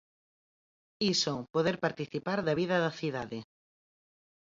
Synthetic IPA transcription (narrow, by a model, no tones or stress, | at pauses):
isopoðeɾpaɾt̪iθipaɾðɐβiðɐðɐθiðaðɪ